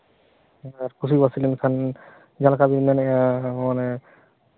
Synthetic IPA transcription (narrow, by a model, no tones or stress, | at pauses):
aaɾkʰusibasilɛnkʰan | d͡ʒalkabinnanɛãmanɛ